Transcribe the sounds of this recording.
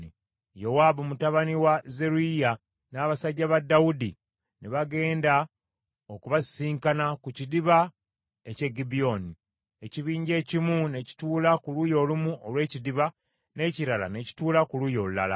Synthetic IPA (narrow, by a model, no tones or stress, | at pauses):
i | jo̞waːbumutaβaniwaze̞ɾuija | naːβasaɟːaβadːaudi | neβaɡe̞ːnda | okuβasiːŋkanakucidiβa | e̞ce̞ɡibio̞ni | e̞ciβiːɲɟe̞ːcimune̞ci̥tuːlakulujo̞lumuolwe̞ːcidiβa | ne̞ciɾala̰ne̞ci̥tuːlakuluːjo̞lula̰la̰